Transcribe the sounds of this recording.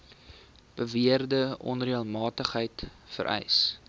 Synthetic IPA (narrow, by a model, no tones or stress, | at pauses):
b̥əviərdəʔɔ̰nriəlˠmɑːtəχɦəjtfə̰ɾʔɛ̰js